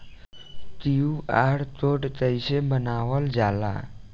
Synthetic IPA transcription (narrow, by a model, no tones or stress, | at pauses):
t̪iuaɽt̪oʈt̪əjsebənaʋəld͡zala̰